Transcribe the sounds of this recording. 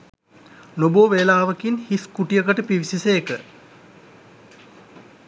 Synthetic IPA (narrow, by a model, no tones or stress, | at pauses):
noboːʋelaːʋəkinhiskuʈijəkəʈəpiʋisiseekə